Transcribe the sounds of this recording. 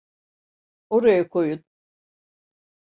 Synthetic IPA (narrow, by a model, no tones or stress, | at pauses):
oɾajakʰojun̚